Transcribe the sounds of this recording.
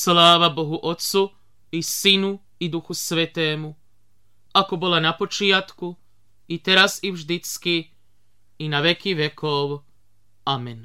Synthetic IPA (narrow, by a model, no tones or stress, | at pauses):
slaːʋabo̞ɦuʔo̞t̪su | isinu | id̪uxusʋet̪eːmu | ako̞bolanapo̞t͡ʃiat̪ku | it̪eɾasiʋʒd̪it̪skiː | naʋekiʋe̞kʰoʋ | amen